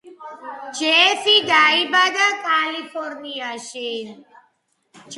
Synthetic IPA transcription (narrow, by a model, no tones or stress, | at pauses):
d͡ʒefid̪aibad̪akalifʰoɾnijaʃen | t͡ʃ